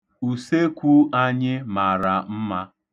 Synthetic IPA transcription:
u˨se˦kʷu˦a˦ɲɪ˦ma˨ɾa˨m̩˦ma˦

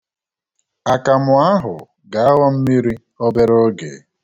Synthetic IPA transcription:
a˨ka˨mʊ˨a˦ɦʊ˨ | ɡa˨˦a˦wa˦m̩˦mi˦ɾi˦ | o˦be˦ɾo˦ɡe˨˦

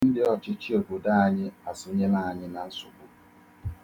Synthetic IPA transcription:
n̩˦dɪ˦ɔ˨t͡ʃɪ˦t͡ʃi˦o˨kʊ˨da˦a˨ɲɪ˦a˨so˦ɲe˦na˦˨a˨ɲɪ˦na˨n̩˦sʊ˨kʊ˦

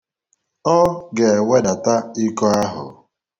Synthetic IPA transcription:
ɔ˦ɡe˨we˦da˨ta˦ɪ˦kɔ˦a˦ɦʊ̰˨

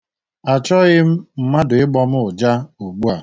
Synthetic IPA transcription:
a˨t͡ʃɔ˦ɣɪ˦m̩˦m̩˨ma˦dʊ˨ɪ˦ɡ͡bɔ˦m̩˦ʊ˨d͡ʒa˦o˨ɡ͡bu˦a˨

